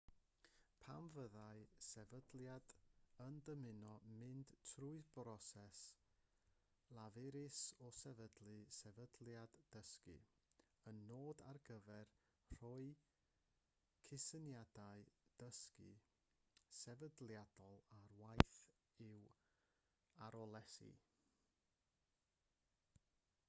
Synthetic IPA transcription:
pʰamvəðaɨsɛvədljadəndəmɪnɔmɪnd̥tʰruɨðbrɔsɛs | lˠavɪɾɪsɔsɛvədlˠɨsɛvədlˠjadːəskɨ̰ | ənːoːda̰rɡəvɛr | r̥ɔɨ | kʰɪsənjadaɨd̥əskɨ̰ | sɛvədlˠjad̥ɔlˠarwajθ | ɪw | aɾɔlˠɛsḭ

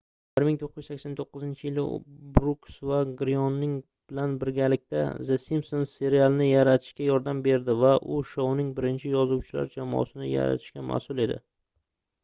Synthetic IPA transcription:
b̥ɪɾmɪŋt̪ʰoqʰːɨzjɪ̥sakʲsant̪ʰoqːɨzɪnt͡ʃʰɪjɪlɪ̰bɾuksvaɡɾijɒnːɪŋ | b̥ɪlanbɪɾɡʲalɪk̚ʲt̪azesimsonse̞ɾialˠnɪjaɾat̪ʰɪ̥ʃkʲajɒɾd̪ambe̞ɾd̪ɪvaʔʊʃownɪŋbɪɾɪnt͡ʃʰɪjɒzuwt͡ʃʰɪla̰ɾd͡ʒamɒ̰sɪnɪja̰ɾa̰t̪ʰɪ̥ʃkʲamʔa̰sʊlˠe̞d̪ɪ̰

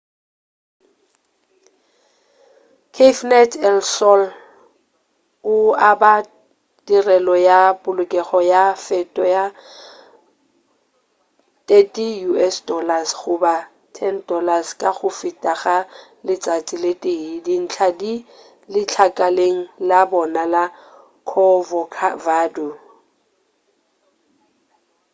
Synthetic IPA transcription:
kʰefnɛtʰɛlsɔl | ʊaba | tirɛlɔjapʼʊlʊkʼɛχɔjafɛtʼɔja | tʼetʼijuɛsdɔlasχʊba | tʰɛndɔlaskʼaχʊfɪtʼaɣa | lɪt͡sʼat͡sʼilɪtʼeidin̩t͡ɬʰadi | lɪt͡ɬʰakʼaleŋ̩labɔnala | kʰɔvɔkʰa̰vaːdu

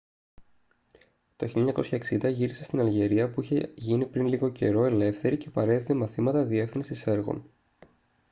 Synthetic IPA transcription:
t̪o̞çilʎːɐɲɐko̞sçɐeksind̪ɐʝiɾise̞st̪inɐlʝe̞ɾiɐpuiçe̞ʝinipɾinliɣo̞ce̞ɾo̞e̞le̞fθe̞ɾicepɐɾe̞ðit̪emɐθimɐt̪ɐðie̞fθinsise̞ɾɣo̞̰n

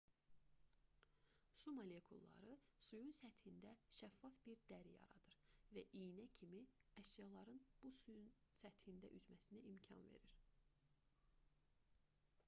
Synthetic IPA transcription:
sumolekʰulˠːɑ̰ɾɯsujunsæt̪hind̪æʃæfːɑfb̥iɾd̪̥æɾijɑ̰ɾɑ̰d̪ɯɾvæʔijnæcʰimiæʃjɑlˠɑɾɯnb̥usujunsæt̪hind̪æʔyzmæsiniʔimcʰɑ̰nve̞̰ɾiɾ

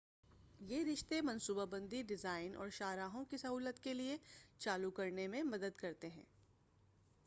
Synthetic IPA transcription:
jeːɾɪʃt̪emɐ̃nsuːbabə̃nd̪iɖɪzaːɪnʔɔ̰ːɾʃaːɾaːɦõkisɐɦuːlət̪keliet͡ʃaːlukɐɾnemẽmɐd̪əd̪kɐɾt̪eɦɛ̰̃ː

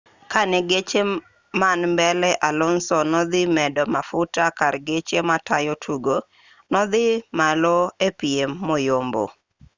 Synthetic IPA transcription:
kanɛɡet͡ʃe | manmbɛlɛʔalɔnsɔnɔd̪ɪmɛdɔmafʊtakaɾɡet͡ʃematajotʰuɡo | nɔd̪ɪmalɔepiemːɔjombo̰

